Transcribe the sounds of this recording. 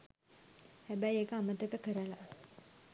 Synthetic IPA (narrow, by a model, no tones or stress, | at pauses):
hæbæjekəamət̪əkəkəɾəla